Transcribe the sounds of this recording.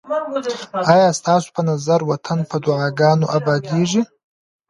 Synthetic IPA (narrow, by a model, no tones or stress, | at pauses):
ɑjɑːst̪ɑːso̥pənazaɾwat̪ʰanpʰəd̪ʊʕaɡɑːnoʔabɑɡeːʐi